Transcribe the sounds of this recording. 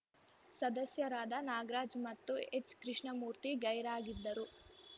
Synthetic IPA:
sɐd̪ɐsjɐɾaːd̪ɐnaːɡɾaːd͡ʒmɐt̪ːuet͡ʃkɾiʂɳɐmuːɾt̪iɡɐjɾaːɡid̪ːɐɾu

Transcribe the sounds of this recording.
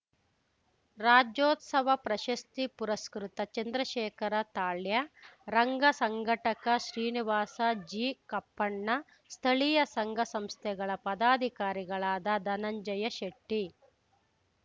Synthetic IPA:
ɾaːd͡ʒoːt̪sɐʋɐpɾɐʃɐst̪ipuɾɐskɾut̪ɐt͡ʃɐnd̪ɾɐʃɛːkʰɐɾɐt̪aːɭjɐɾɐŋɡɐsɐŋɡʱɐʈɐkɐʃɾiːniʋaːsɐd͡ʒiːkɐpːɐɳːɐ | st̪ʰɐɭijɐsɐŋɡɐsɐmst̪ʰɛɡɐɭɐpɐd̪aːd̪ʱikaːɾiɡɐɭaːd̪ɐd̪ɐnɐɲd͡ʒɐjɐʃeʈːi

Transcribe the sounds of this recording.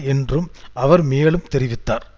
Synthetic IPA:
ɛndrɯmɐʋɐɾmeːɐlɯmt̪ɛɾɪʋɪt̪ːaːɾ

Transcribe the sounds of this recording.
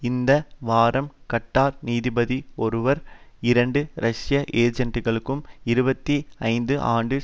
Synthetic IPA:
ɪnd̪ɐʋaːɾɐmkɐʈːaːɾniːðɪbɐðiɔɾɯʋɐɾɪɾɐɳɖɯɾɐʂjɐʔeːd͡ʒɐɳʈːɯɣɐɭɯkːɯmɪɾɯbɐt̪ːiɐɪnd̪ɯʔaːɳɖɯ

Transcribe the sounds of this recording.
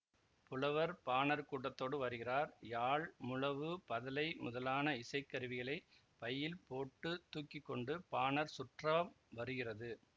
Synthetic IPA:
pʊlɐʋɐɾpaːnɐɾkuːʈːɐt̪ːoːɽɯʋɐɾɯɣɪraːɾjaːɭmʊlɐʋɯpɐðɐlɐɪmʊðɐlaːnɐɪsɐɪkːɐɾɯʋɪɣɐɭɐɪ | pɐjːɪlpoːʈːɯt̪ːuːkːɪkːɔɳɖɯpaːnɐɾsʊʈrɐm | ʋɐɾɯɣɪrɐðɯ

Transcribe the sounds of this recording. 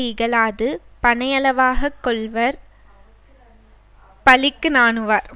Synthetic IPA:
iɪɣɐɭaːðɯpɐɳɐjɐlɐʋaːɣɐkːɔɭʋɐɾ | pɐlɪkːɯnaːnɯʋaːɾ

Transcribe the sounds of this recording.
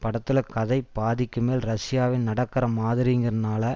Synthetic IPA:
pɐɽɐt̪ːɪlɐkɐðɐɪbaːðɪkːɯmeːlɾɐsɪjaːʋɪnnɐɽɐkːɐɾɐmaːðɪɾɪŋɡɪɾɐnaːlɐ

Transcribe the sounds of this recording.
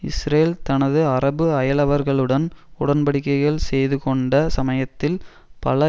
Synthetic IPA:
ɪ̰sɾeːlt̪ɐnɐðɯɐrɐbɯɐjɐlɐʋɐɾɣɐɭɯɽɐnʊɽɐnpɐɽɪkːɐɪɣɐɭsɛjðɯkɔɳɖɐsɐmɐjɐt̪ːɪl | pɐ̰lɐ

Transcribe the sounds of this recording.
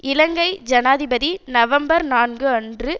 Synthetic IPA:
ɪlɐŋɡɐɪd͡ʒɐnaːðɪbɐðinɐʋɐmbɐɾnaːnɡɯɐndrɯ

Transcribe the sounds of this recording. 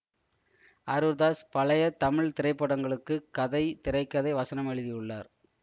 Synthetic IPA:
ɐɾɯɾðaːspɐlɐjɐt̪ɐmɪɭt̪ɪɾɐɪpːɐɽɐŋɡɐɭɯkːɯkɐðɐɪt̪ɪɾɐɪkːɐðɐɪʋɐsɐnɐmɛɻɯðɪjɯɭːa̰ːɾ

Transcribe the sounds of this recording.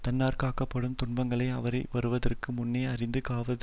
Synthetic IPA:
t̪ɐnːaːɾkaːkɐpːɐɽɯmt̪ʊɳbɐŋɡɐɭɐɪɐʋɐɾɐɪʋɐɾɯʋɐðɐrkɯmʊnːeːɐɾɪnd̪ɯkaːʋɐðɯ

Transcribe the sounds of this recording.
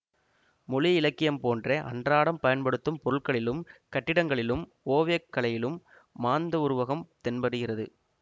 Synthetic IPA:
mʊlɪɪlɐkːɪjɐmpoːndreʔɐ̰ndraːɽɐmpɐjɐnpɐɽɯt̪ːɯmpɔɾɯɭkɐɭɪlɯmkɐʈːɪɽɐŋɡɐɭɪlɯm | oːʋjɐkːɐɭɐjɪlɯmː | aːnd̪ɐʊɾʊʋɐɣɐmt̪ɛnbɐɽɯɣɪrɐðɯ̰

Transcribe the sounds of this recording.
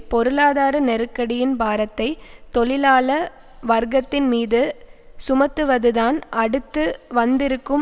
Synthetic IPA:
pɔɾɯlaːðaːɾɐnɛɾɯkːɐɽɪjɪnbaːɾɐt̪ːɐɪt̪ɔɭɪlaːlɐ | ʋɐɾɡɐt̪ːɪnmiːðɯsʊmɐt̪ːɯʋɐðɯðaːnʔɐɽɯt̪ːɯʋɐnd̪ɪɾɯkːɯm

